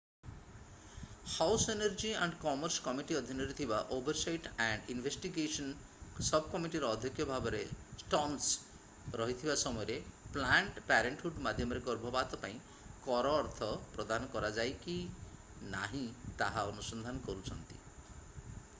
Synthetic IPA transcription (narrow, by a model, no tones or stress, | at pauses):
hawseneɾd͡ʒiaɳɖkɔmɔɾskɔmiʈiɔd̪ʱinɔɾit̪ʰibaʔobʱɔɾsajʈaɳɖinbʱesʈiɡesɔn | sɔbʱkɔmiʈiɾɔːd̪ʱjɔkjɔbʱabɔɾesʈɔns | ɾɔɦit̪ʰibasɔmɔjɔɾeplaɳʈpɛɾeɳʈhuɖmad̪ʱjɔmɔɾeɡɔɾbʱɔbat̪ɔpaĩ | kɔɾɔːɾt̪ʰɔpɾɔd̪anɔkɔɾad͡ʒajki | na̰ɦĩt̪aɦaɔnusɔnd̪ʱanɔkɔɾut͡ʃʰɔnt̪i̥̰